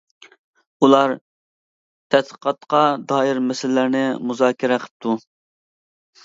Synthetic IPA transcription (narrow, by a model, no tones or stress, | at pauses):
ulˠɑɾ | t̪ʰɛt̪̚ə̥qʰɑt̪qɑd̪ɑːjiɾmɛsɪlːæɾnɪmuzɑːkʲʰɪɾɛqʰə̥p̚t̪ʰu